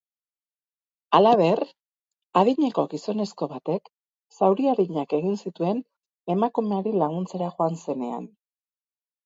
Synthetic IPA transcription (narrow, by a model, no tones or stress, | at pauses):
alaβ̞e̞r | aðiɲeko̞ɣiso̞ne̞sko̞βat̪e̞k | sawɾiaðiɲake̞ɣinsit̪ue̞n | e̞makume̞aɾilaɣunt͡se̞ɾaʝoanse̞ne̞̰a̰n